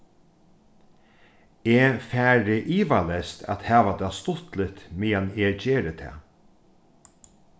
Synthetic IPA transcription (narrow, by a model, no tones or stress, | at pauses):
eːfæːɾɪʔiːʋalɛst̪ʰa̰t̪hæːʋat̪ɑːst̪ʊt̪lɪt̪miːjaneːt͡ɕeːɾət̪ʰɛ̰ː